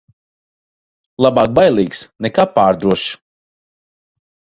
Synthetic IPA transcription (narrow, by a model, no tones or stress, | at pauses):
lˠabaːk̚bajlˠiːksnɛkaːpaːɾd̪ɾuɔʃ